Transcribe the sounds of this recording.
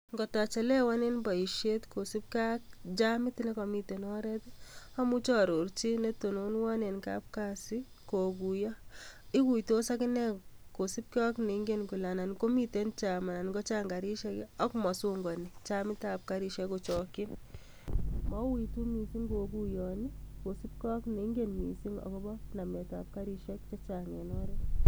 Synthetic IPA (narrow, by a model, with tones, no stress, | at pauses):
ŋɡɔ˨ta˨t͡ʃɛ˨lɛ˦wa˦ne˦nbɔ˨i˨ʃe˦tko˨si˦p̚ka˦k̚d͡ʒamɪ˦tnɛ˦kɔ˨mi˦te˨nɔ˦ɾɛ˦ta˦mu˦t͡ʃɔ˦ɾo˨ɾt͡ʃi˦ne˦to˨no˨nwa˦ne˨nka̰˦p̚ka˦sɪ˦ | ko˨ɡu˨jɔ˦ɪ˦ku˨jto˦sa˦kɪ˦nɛ˦ko˨si˦p̚ka˦kne˨˦ŋɡe˦nku˨la˨na˨nko˦mi˦te˦nt͡ʃa˨ma˨na˨nɡɔ˦t͡ʃa˦ŋɡa˨ɾi˦ʃɛ˦kɔ˦kmɔ˨su˦ŋɡɔ˨ni˨t͡ʃa˦mɪ˦ta˨p̚ka˦ɾi˧ʃɛ˦ko˨t͡ʃɔ˨kɪ˦n | mɔ˦wi˨tu˦mi˨si˦ŋɡo˨ɡu˦jɔ˨ni˦ko˨si˦p̚kːkne˨˦ŋɡenmi˨si˦ŋɔ̰˨kɔ˦bɔ˦na˨mɛ˨ta̰˨p̚ka˦ɾi˧ʃɛ˦k̚t͡ʃɔ˦t͡ʃa˨ŋe˨nɔ˦ɾe˦